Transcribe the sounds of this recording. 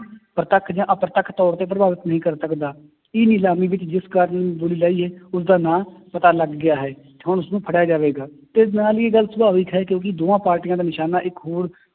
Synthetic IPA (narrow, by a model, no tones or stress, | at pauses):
pɾət̪əkʰd͡ʒãːʔəpɾt̪əkʰt̪ɔːɾt̪eːp̬ɾəbaːʋɪt̪nəɦĩːkəɾsəkd̪aː | ɪːnɪlaːmiːʋɪt͡ʃd͡ʒɪskaːɾənboliːlaːiːɦɛːʊsd̪aːnãːpət̪aːləɡːɪjaːɦɛː | t̪eːɦʊɳʊsnũːpʰəɽjaːd͡ʒaːʋeːɡaːt̪enaːleːɡəlsəbaːʋɪkɦɛːkjõːk̬ɪd̪oːãːpaːɾʈijãːd̪aːnɪʃaːnaːʔɪkɦoːɾ